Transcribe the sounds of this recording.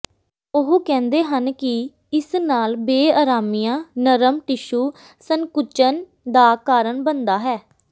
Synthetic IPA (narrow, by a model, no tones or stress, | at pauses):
ʊɦkɛ̃ːnd̪eːɦənkɪ | ɪsnaːlbeːaːɾaːmijãːnəɾəmʈɪʃuː | səŋkʊt͡ʃən | d̪aːkaːɾəɳbənd̪aːɦɛː